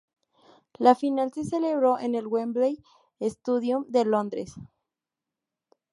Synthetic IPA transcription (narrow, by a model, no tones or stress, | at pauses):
lafinalse̞se̞le̞βɾo̞ʔenelwemblej | est̪uðjumd̪e̞lo̞nd̪ɾes